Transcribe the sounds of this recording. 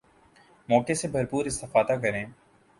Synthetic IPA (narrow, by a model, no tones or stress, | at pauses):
mɔːkesebɐɾpuːɾɪst̪ɪfaːd̪akɐɾẽː